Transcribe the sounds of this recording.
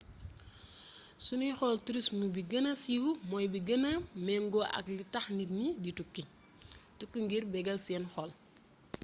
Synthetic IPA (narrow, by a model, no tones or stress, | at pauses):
sunijxɔltuɾismubiɡɐnɐsiwumɔjbiɡɐnɐmɛŋɡɔʔɐ̰klitɐxnitniditukːi | tukːuŋɡirbɛɡɐlsɛnxɔl